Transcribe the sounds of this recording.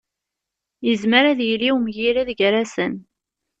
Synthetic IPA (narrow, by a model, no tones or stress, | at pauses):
jəzməɾæðjiliwmjiɾæðɡɾasən